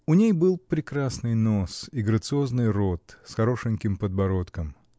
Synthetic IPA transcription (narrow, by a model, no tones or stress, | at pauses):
ʊnʲejbɨlˠpɾʲɪkɾasnɨjno̞siɡɾət̪sɨo̞znɨjro̞t̪sxɐɾo̞ʂɨnʲkʲɪmpəd̪bɐɾo̞t̪kəm